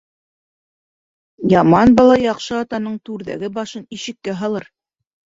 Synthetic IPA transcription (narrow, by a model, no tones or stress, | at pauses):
jɑmɑnbɑlˠɑjɑqʃɤɑt̪ɑnɤɴt̪ʉɾðæ̰ɡɘbɑʃɤniʃɘ̆kːæɦɑlˠɤɾ